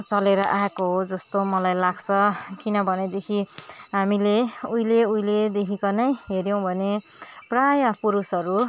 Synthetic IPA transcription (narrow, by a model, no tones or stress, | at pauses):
t͡sʌleɾʌʔaekoɦod͡zʌst̪omʌlajlaɡt͡sʰʌkinʌbʱʌned̪ekʰiɦamileujleujled̪ekʰikʌnʌjɦeɾjʌ̃w̃bʱʌne | prajapuɾusʌɾu